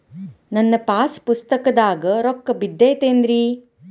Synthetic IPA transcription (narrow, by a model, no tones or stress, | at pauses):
nɐnːɐpaːspust̪ɐkɐd̪aːɡɐɾɔkːɐbid̪ːeːt̪eːnd̪ɾi